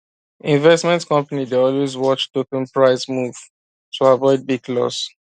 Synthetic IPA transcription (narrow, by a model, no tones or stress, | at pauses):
ĩnvɛstmɛ̃ntkɔ̃mpanideɔlwezwɔt͡ʃtokɔ̃npɹaɪsmuv̥ | tʰuavɔɪd̚biɡ̚lɔ̰s